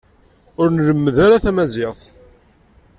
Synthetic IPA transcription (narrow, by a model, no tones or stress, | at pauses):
ʊɾnələmːəðaɾaθæmæzɪʁθ